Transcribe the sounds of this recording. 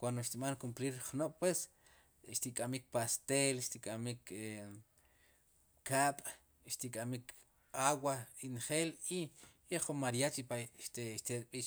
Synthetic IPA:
kwand̪oʃt̪iɓaŋkumpliɾχnoʔpwes | ʃt̪ikʼamik̚past̪elʃt̪ikʼamike | kaːɓ̥ʼ | ʃt̪ikʼamik | awainχeːli | eχumaɾjat͡ʃipat̪eʃt̪eɾɓiʃ

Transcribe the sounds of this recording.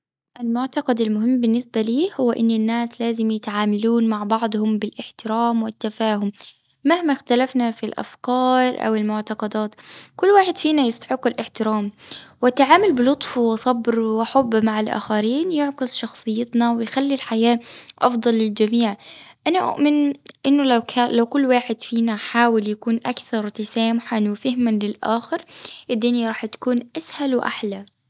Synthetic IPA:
ʔɪlmʊʕt̪ɑqɑd̪ɪlmʊɦɪmːbɪnːɪsbaliːhʊwːaʔɪnːɪnːaːslaːzɪmjɪt̪ʕaːmaluːnmaʕbɑʕd̪ˤhʊmbɪlʔɪħt̪ɪɾaːmwɪt̪ːafaːhʊmː | ahmaxt̪alafnafilʔa̰fkɑːɾˤʔa̰wɪlmʊʕt̪ɑqɑd̪aːt̪kʊlːwaːħɪd̪fiːnajɪst̪ḁħɪqːɪlʔɪħt̪ɪɾaːmwɪt̪ːaʕaːmʊlbɪlʊt̪ˤfwɪsˤɑbɾwɪħʊbːmaʕalʔa̰ːxaɾiːnjʊʕkɨsˤʃɑxsˤɨjːɪt̪nɑwɪjxalːilħajaːʔɑfd̪ˤɑlːɪld͡ʒamiːʕʔanaʔʊ̰ʔmɪnʔɪnːʊlakalawkʊlːwaːħɪd̪fiːnaħaːwɪljakuːnʔakθɑɾˤt̪asaːmʊħanwɪfɪhmanlɪlʔa̰ːxɪɾʔɪd̪ːɪnjaɾˤɑːħt̪ḁkuːnʔashalwɪʔa̰ħla

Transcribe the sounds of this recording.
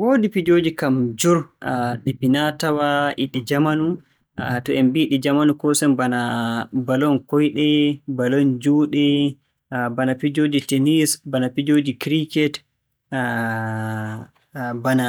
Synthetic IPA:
wodipid͡ʒoːd͡ʒikamd͡ʒuɾɗipinatawaʔiɗid͡ʒamanu | tɔɛmbiɗid͡ʒamanukɔsɛmbanabalɔnkɔjɗɛbalɔnd͡ʒuɗɛ | banapid͡ʒod͡ʒitenisbanapid͡ʒod͡ʒikɾikɛt | bana

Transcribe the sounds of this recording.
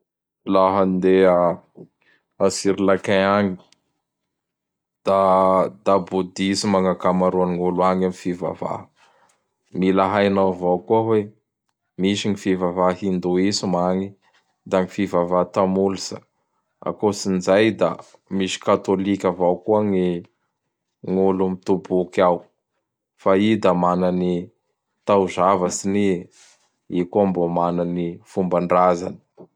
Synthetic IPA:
laɦand̪ea | asiɾilakaaŋi̥ | d̪̥ad̪abud̪isimaŋakamaɾuanŋuluaŋamifiva̰va̰ | milaɦajnavawkuaɦwe | miʃiŋifivavaɦind̪uisimaŋi | d̪aŋifivavat̪amulisə | a̰kosinzajd̪a̰ | misi̥kat̪olikʲəvawkuaŋi | ŋulumit̪ubukaw | faid̪amanani | t̪auzavəsini | ikuambomananifumbaɳɖ͡ʐaza̰ni̥

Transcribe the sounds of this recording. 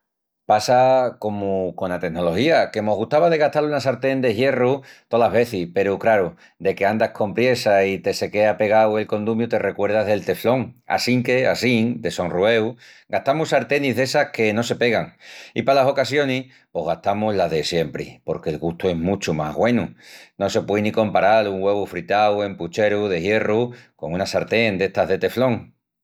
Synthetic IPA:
pasako̞muko̞nat̪e̞ɦno̞lo̞hiake̞mo̞ɦɣ̞uht̪aβaðe̞ɣ̞aht̪alunas̬aɾt̪e̞nd̪eɦje̞rut̪o̞laɦβe̞θipe̞ɾukɾaɾu | d̪e̞ke̞and̪ahkʰo̞mpɾje̞sait̪e̞se̞ke̞ape̞ɣ̞awe̞lko̞nd̪umjut̪e̞re̞kwe̞ɾð̞aɦðe̞lt̪e̞flo̞ŋa̰siŋke̞a̰siŋd̪e̞sonrue̞w | ɡaht̪amusaɾt̪e̞niɦðe̞sahke̞nose̞pe̞ɣaŋḭpalaso̞kasjo̞nih | po̞ɦɣaht̪amuzlaðe̞sje̞mpɾḭpo̞ɾke̞lɣust̪ue̞ɦmut͡ʃuma̰ɣwe̞nuno̞se̞pwejnĩkõ̞mpaɾaluŋɡwe̞βufɾit̪awe̞mput͡ʃe̞ɾuðe̞hje̞ruko̞ŋunasaɾt̪e̞nd̪e̞ht̪aɦðe̞t̪e̞flo̞ŋ

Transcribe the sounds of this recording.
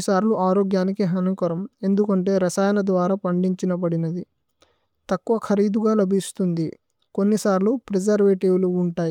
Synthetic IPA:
isaːɾluʔaːɾoːɡjaːnikiɦɐnukɐɾɐme̞nd̪ukɐɳʈe̞ːɾɐsaːjɐnɐd̪ʋaːɾaːpɐɳɖiɲt͡ʃinɐbɐɽinɐd̪i | t̪ɐkːuʋɐkʰɐɾiːd̪uɡaːlɐbʱist̪und̪i | ko̞nːisaːɾlupɾed͡ʒɐɾʋeːʈiʋluːɳʈaːji

